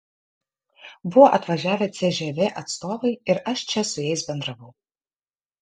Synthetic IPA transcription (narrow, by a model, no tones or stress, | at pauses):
bʊwɔʔɐt̪vɐʒʲæːvʲet͡sʲɛʒʲɛvʲɛʔɐt̪st̪oːvɐjɪɾɐʃt͡ʃʰʲɛsʊjɛjsbʲɛnd̪rɐvɐw